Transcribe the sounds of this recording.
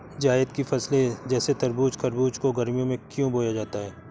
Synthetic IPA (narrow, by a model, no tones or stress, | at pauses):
d͡ʒaːɪəd̪kifɐsled͡ʒɛːset̪ɐɾbuːt͡ʃkɐɾbuːt͡ʃkoɡɐɾmijõmẽkjõboːjad͡ʒaːt̪aɦɛː